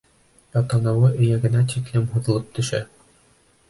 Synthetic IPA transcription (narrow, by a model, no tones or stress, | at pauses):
jɒt̪ɑnɤ̆wɤʔɵ̆jæɡɘ̆næt̪ʲik̪lɘmɦŭðɤ̆lˠɤp̚t̪ɵ̆ʃæ